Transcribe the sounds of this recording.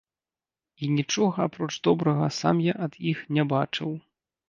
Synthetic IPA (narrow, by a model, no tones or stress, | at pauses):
inʲit͡ʂɔɣɐapɾɔt͡ʂd̪ɔbɾɐɣɐsa̰mjaʔɐd̪̥ixnʲɛbat͡ʂɨw